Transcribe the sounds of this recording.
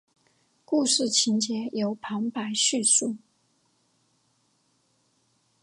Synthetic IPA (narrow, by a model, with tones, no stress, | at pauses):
ku˥˧ʂɻ̩˥˩t͡ɕʰi˧˥nt͡ɕjɛ˧˥jo˧˥ʊpʰɑ˧˥ŋpa˧˥ɪɕy˥˧su˥˩